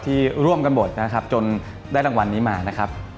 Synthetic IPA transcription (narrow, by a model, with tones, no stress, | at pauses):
t̪ʰiː˥˩ɾu˥˩əmka˧nbo˨˩t̪̚na˦˥kʰa˦˥p̚t͡ɕo˧n | da˥˩jɾa˧ŋwa˧nːiː˦˥maː˧na˦˥kʰa˦˥p̚